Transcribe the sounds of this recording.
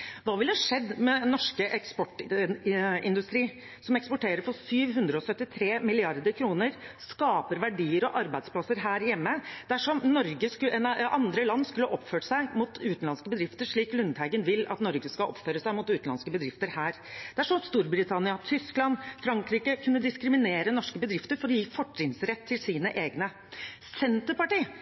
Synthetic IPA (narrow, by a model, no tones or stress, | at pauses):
ʋɑːʋɪlhɑʂɛd̪ːmɛnɔʂkəʔɛkspɔʈː | ɪnd̪ʉst̪ɾiː | sɔmɛkspɔʈeːɾəɾfɔɾsyːʋɦʉnd̪ɾəɔsœt̪ːɪt̪ʰɾeːmɪlɪɑɾd̪əɾkʰɾuːnəɾskɑːpəɾʋæɖiːəɾɔʔɑɾbæɪspʰlɑsəɾɦæːɾjɛmːəd̪̥ɛæʂɔmnɔɾɡəskɛnʔɑnd̪ɾəlɑnːskʉlːəʔɔpføːʈsæɪmʊt̪ʰʉːt̪n̩lɑnskəbəd̪ɾɪft̪əʂɭiːklʉnd̪hæɪɡənʋɪlɑ̰t̪nɔɾɡəskɑʔɔpføːɾəsæɪmʊt̪ʉːt̪n̩ɑ̰nskəbəd̪ɾɪft̪əɾhæːɾd̪ɛæʂɔmst̪uːɾbɾɪt̪ʰɑnɪɑt̪ʰʏsklɑnfɾɑŋkɾiːkəkʰʉnːəd̪ɪskɾɪmɪneːɾənɔʂkəbəd̪ɾɪft̪əɾfɔɾɔjiːfɔʈːɪŋsɾɛt̪ʰːɪlsiːnəʔeːɡnə | sɛnt̪əɾpɑʈiː